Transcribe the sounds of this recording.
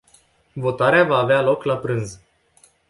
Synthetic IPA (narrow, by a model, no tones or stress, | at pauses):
vo̞t̪aɾeavaːvealo̞klapɾɨnz